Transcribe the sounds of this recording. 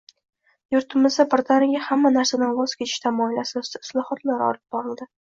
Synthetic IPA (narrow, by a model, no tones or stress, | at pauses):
jʊɾt̪ɪmɪzd̪abɪɾt̪ʰaɾɪɡʲahamːanaɾsananwɒz̥kʲʰet͡ʃ̪ʰɪ̥ʃt̪ʰamɒɪlasɒsd̪aɪ̥slˠɒhɒt̪laɾɒ̰lˠɪb̚bɒɾɪld̪ɪ